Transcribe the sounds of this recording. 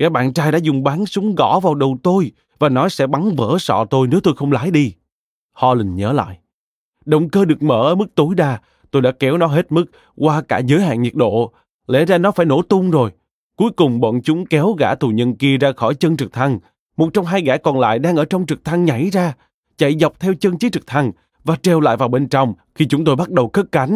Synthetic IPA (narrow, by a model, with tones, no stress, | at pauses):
ɣa̰ː˧˥ɓa̰ː˧˨nt͡ɕaː˧jɗaː˧˥zʊ˨˩ŋ͡mɓaː˨˦nsʊ˨˦ŋ͡mɣɔ̰˧˥vaː˨˩wɗə˨˩wt̪o˧j | vaː˨˩nɔ˨˦sɛ̰˧˥ɓa˨˦ŋvə̰ː˧˥sɔ̰˧˨t̪o˧jne˨˦wt̪o˧jxə˧wŋ͡mlaː˧˥˦jɗi˧ | hɔ̰˧lï˨˩ŋ̟ɲəː˨˦la̰ː˧˨j | ɗə˨wŋ͡mkəː˧ɗɨ˨˩ək̚mə̰ː˧˩ʔəː˧˦mɨ˦˥k̚t̪o˨˦jɗaː˧˩ | t̪o˧jɗa̰ː˧˥kɛ˨˦wnɔ˨˦ɦe˦˥t̚mɨ˦˥k̚ | kwaː˧kaː˧˩zəː˨˦jɦa̰ː˧˨nɲi˨˩ət̚ɗo̰˧˨ | lḛ˧˥zaː˧nɔ˨˦faː˧˩jno̰˧˥t̪ʊ˧ŋ͡mzo˨˩j | ku˨˦jkʊ˨˩ŋ͡mɓɔ̰˧˨nt͡ɕʊ˨˦ŋ͡mkɛ˨˦wɣa̰ː˧˩t̪u˨˩ɲə˧nki˧əzaː˧xɔ˧˩jt͡ɕə˧nt͡ɕɨ˨˩k̚t̪ʰa˧ŋ | mo˨˩t̚t͡ɕɔ˧wŋ͡mɦaː˧jɣaː˧˩kɔ˨˩nla̰ː˧˨jɗaː˧ŋʔəː˧˩t͡ɕɔ˧wŋ͡mt͡ɕɨ˨˩k̚t̪ʰa˧ŋɲa˧˩jzaː˧ | t͡ɕa̰˧˨jzwk͡p̚t̪ʰɛ˧wt͡ɕiə˧nt͡ɕi˨˦˥t͡ɕɨ˨˩k̚t̪ʰa˧ŋ | vaː˨˩t͡ɕɛ˨˩wla̰ː˧˨jvaː˨˩wɓe˧nt͡ɕɔ˧wŋ͡m | xi˧t͡ɕʊ˨˦ŋ͡mt̪o˧jɓa˦˥t̚ɗə˨˩wxə˦˥k̚ka˨˦n̟